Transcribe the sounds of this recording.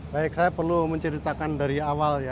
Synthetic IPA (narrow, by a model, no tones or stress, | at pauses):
baɪk̚sajapərluməɲt͡ʃəɾit̪akandaɾiawalja